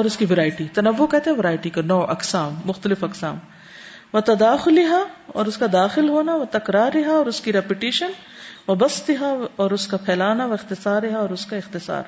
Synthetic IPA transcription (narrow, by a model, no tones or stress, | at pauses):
ɔːɾʊskiʋɐɾaːɪʈit̪ɐnɐʋːokɛɦt̪ẽɦɛ̃ʋɐɾaːɪʈikanɔːʔɐqsaːmːʊxt̪əlɪfɐqsa̰ːm | ʋɐt̪ɐd̪aːxʊlɪɦaɔ̰ːɾʊskad̪aːxɪlɦoːnaʋɐt̪ɐkɾaːɾɪɦaɔːɾʊskiɾɛpɪʈiːʃən | ʋɐbɐst̪ɪɦaɔːɾʊskapʰɛːlaːnaʋɐɪxt̪ɪsaːɾɪɦaɔːɾʊskaɪxt̪ɪsa̰ːɾ